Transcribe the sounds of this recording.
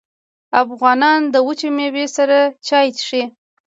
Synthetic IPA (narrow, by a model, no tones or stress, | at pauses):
afɣɑnɑnd̪əwət͡ʃemewesaɾat͡ʃɑjt̪ʂe